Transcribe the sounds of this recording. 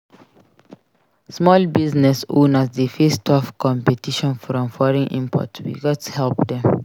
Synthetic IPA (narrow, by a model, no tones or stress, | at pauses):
smɔlbiznɛsõ̰nasdəfestʰɔfkɔ̃mpɛtiʃɔ̃nfɾɔ̃mfɔɹĩnʔḭ̃mpʰɔ̰twḭɡɔtu̥hɛlpdɛ̃m